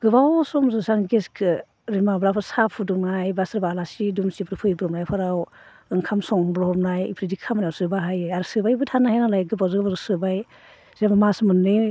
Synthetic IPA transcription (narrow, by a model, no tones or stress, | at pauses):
ɡ̥ɯbawsɔmzɯzaŋɡeskʰɯ | ɾimabɾapʰɯsapʰudunajbasɾbalasidumsibɾɯpʰɯibɾɔmnajpʰɯɾaw | ɯŋkʰamsɔŋmbɾɔɔmnajpʰɾidikʰamanawsɯbaɦajaɾɯsɯbajbɯtʰanahanalajɡɯbawzɯɡɯbazɯsɯbaj | z̥emamasmɯnːɯ